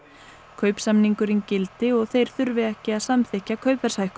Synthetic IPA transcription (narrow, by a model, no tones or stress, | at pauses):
kʰœɥpsamniŋkʏɾɪncɪlt̪ɪɔɣθejɾ̥θʏɾvɪɛhcɪaðsamθɛhcːakʰœɥpɛ̥sajhkʏ